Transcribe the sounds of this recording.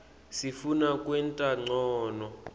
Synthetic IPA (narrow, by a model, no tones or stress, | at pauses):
sifunakʼwɛntʼaŋ͡ǀɔːnɔ